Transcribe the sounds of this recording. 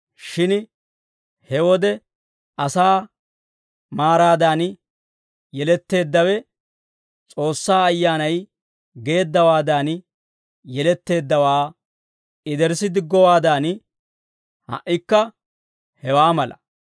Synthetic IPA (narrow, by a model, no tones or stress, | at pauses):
ʃɪn | hɛwɔd̪ɛ | ɐsaː | maːɾaːd̪aːn | jɛlɛt̪ːe̞ːd̪ːɐwɛ | t͡sʼo̞ːsːaːɐjːaːnɐj | ɡe̞ːd̪ːɐwaːd̪aːn | jɛlɛt̪ːe̞ːd̪ːɐwaː | ɪd̪ɛɾsɪd̪ɪɡːɔwaːd̪aːn | hɐ̰ʔːɪkːɐ | hɛwaːmɐlɐ̰